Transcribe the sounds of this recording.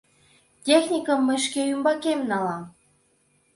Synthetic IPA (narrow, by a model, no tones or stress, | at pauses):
tʲexnʲikə̆mːəʃkeymbɑkemnɑlɑm